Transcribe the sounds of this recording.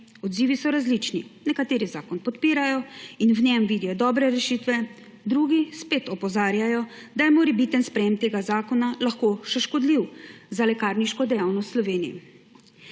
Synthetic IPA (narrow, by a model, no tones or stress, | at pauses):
ɔd̪ziːʋisɔɾazlit͡ʃninɛkat̪eːɾizaːkɔnpɔt̪piːɾajɔinwnɛmʋiːd̪ijɔd̪ɔːbɾɛɾɛʃit̪ʋɛ | d̪ɾuːɡispeːt̪ɔpɔzaːɾjajɔ | d̪ajɛmɔɾibit̪ənspɾɛjemt̪eːɡazaːkɔnalaxkoʃɛʃkɔd̪liwzalɛkaːɾniʃkɔd̪ɛjawnɔst̪slɔʋeːnijɛ̰